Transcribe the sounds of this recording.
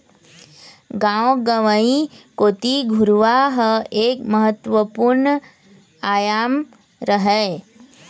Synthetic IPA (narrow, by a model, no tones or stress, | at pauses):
ɡãʋɡəʋəĩkoːt̪iɡʱuɾʋaɦəeːkməɦət̪ʋəpuɾɳə | aːjaːm | ɾəɦe